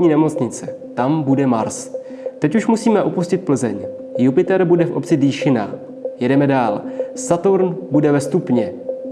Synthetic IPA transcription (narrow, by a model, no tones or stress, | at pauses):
ɲiːnɛmo̞t͡sɲɪt͡sɛ | t̪ambudɛmaɾs | t̪ɛcuʃmusiːmɛʔopuscɪt̪̚pl̩zɛɲ | jupɪt̪ɛɾbudɛfʔo̞p̚t͡sɪdiːʃɪna̰ | jɛdɛmɛdaːlsat̪uɾnbudɛvɛst̪upɲɛ